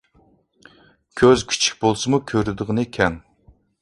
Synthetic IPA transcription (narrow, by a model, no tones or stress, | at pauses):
kʲʰøzkʲʰi̥t͡ʃʰi̥k̚ʲbolˠsɨmukʲʰøɾɪd̪ɨʁɨnɨkʲʰɛn